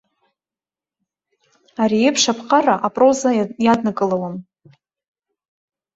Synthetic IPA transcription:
aɾiepʰʂapʰqʰʼaraʔapʼrozajadnakʼɨlawam

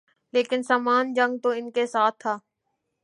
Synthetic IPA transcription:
leːkɪnsaːmaːnd͡ʒə̃ŋɡ̚t̪oːɪnkesaːt̪ʰːaː

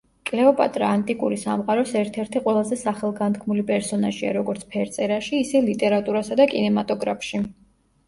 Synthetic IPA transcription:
kʼlɛɔpʼa̰t̪ʼɾaːnt̪ʼikʼṵɾisamqʼaɾɔsɛɾt̪ʰɛɾt̪ʰiqʼwɛlˠazɛsaχɛlˠɡant̪kʰmulipʼɛɾsɔnaʒia̰ɾɔɡɔɾt̪sʰpʰɛɾt̪sʼɛɾaʃiːsɛlit̪ʼɛɾat̪ʼuɾasad̪akʼinɛmat̪ʼɔɡɾapʰʃi

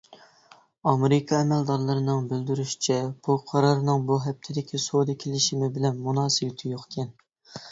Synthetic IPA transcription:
ɑmeɾɪkʰɑɛmɛld̪ɑɾlˠɨɾɨnɨŋbyld̪yɾyʃi̥t͡ʃʰɛb̥uqʰɑɾɑɾɨnɨŋbuɦɛp̚t̪ʰɪd̪ɪkʲʰisod̪ɨkʲʰelɪʃimɪbɪlɛnmunɑːsɨbɪt̪ʰɪjoχkʲʰɛn

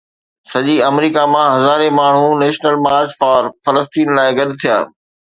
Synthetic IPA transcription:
sɐʄiɐmɾiːkamãɦɐzaːɾemaːɳ̤̃uneːʃnəlmaːd͡ʑfaːɾfɐləst̪iːnlaːɪɡɐɗt̪ʰija̰ː

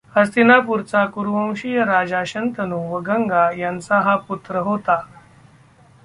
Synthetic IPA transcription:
həst̪inapuɾt͡sakuɾʋə̃w̃ɕijəɾad͡zaɕənt̪ənuːʋəɡʱəŋɡajãnt͡saɦaput̪ɾəɦot̪a

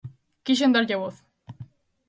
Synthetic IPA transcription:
kiʃ̬end̪aɾceβoθ

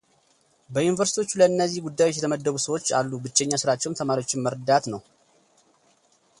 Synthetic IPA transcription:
bəjunivəɾsit̪ʰiwo̞t͡ʃːuləɨnːəzːihɡud̪ːajwot͡ʃːjɛt̪ʰəməd̪ːəβusəwo̞t͡ʃːa̰lːubɨt͡ʃːɛɲːasɨɾat͡ʃːɛwnt̪ʰəmaɾiwo̞t͡ʃːɪnməɾd̪at̪nəw

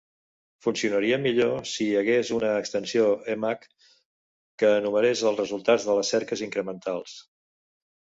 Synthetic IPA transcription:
funsiunəɾiəmiʎosiəɣezunəːkst̪ənsioemakː | əːnuməɾezəlˠzrəzulˠt̪ad͡zðələsɛɾkəziŋkɾəmənt̪alˠs

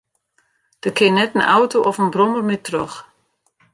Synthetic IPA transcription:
d̥əkʰɪnɛtənʔa̰wtoʔɔfənbromərmɪtːrøx

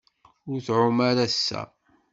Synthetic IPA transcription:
ʊɾθʕʊmæɾæsːæ̰

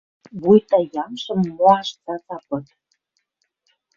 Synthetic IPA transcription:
βujt̪ɑjɑmʃɤ̆mːoɑʃt͡sɑt͡sɑpɤ̆t̪

